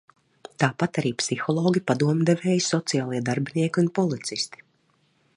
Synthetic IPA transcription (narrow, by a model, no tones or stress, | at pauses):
t̪aːpat̪aɾiːpsixɔlˠɔːɡʲipad̪uɔmd̪evɛːjsɔt̪sijaːlˠiɛd̪aɾbiniɛkʲiunpɔlˠit̪sist̪i̥